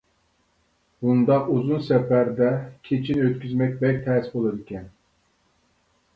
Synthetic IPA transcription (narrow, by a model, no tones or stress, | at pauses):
bund̪ɑquzunsɛpæɾd̪ɛkʲʰet͡ʃʰinøt̪kʲyzmɛk̚ʲbɛkʲt̪ʰɛːsbolˠɨd̪ɪkʲɛn